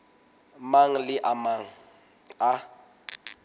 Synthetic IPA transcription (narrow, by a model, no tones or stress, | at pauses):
maŋ̩lɪʔamaŋ̩ | a